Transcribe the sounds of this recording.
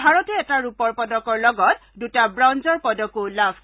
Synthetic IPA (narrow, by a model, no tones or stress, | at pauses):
bʱaɹɔtɛɛtaɹupɔɹpɔdɔkɔɹlɔɡɔt̚dutabɹawnzɔɹpɔdɔkolabʱ